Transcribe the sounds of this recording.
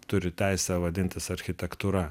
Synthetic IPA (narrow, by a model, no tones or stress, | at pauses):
t̪ʊɾʲɪt̪ʲæɪsʲɛʋɐd̪ʲɪnʲt̪ʲɪsɐɾʲxʲɪt̪ʲɛkt̪uːɾɐ